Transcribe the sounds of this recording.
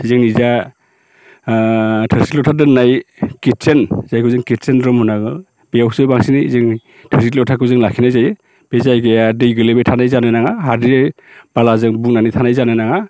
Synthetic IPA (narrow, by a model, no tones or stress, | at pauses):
izɯŋniza | tʰɯɾsitlɔtʰadɯnajkit̚senzajkʰɯzɯŋket̚senɾɔmhɔnaɡɯ | bejawsɯjbaŋsinɯizɯŋ | tʰeɾsitlɔtʰakʰɯzɯŋlakʰinajzajɯ | b̥ezajɡejadɯjɡɯlebejtʰanajzanɯjnaŋaɦadiɾe | b̥alazɯŋbuk̚nanɯjtʰanajzanɯjnaŋa